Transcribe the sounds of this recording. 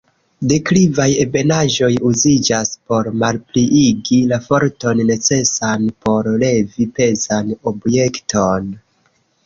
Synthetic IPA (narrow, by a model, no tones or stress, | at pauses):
dekɾivaje̞be̞naʒo̞juzid͡ʒaspo̞ɾmalpliʔiɡilafo̞ɾto̞nːe̞t͡se̞sanpo̞ɾle̞vipe̞zano̞bje̞ktʰo̞n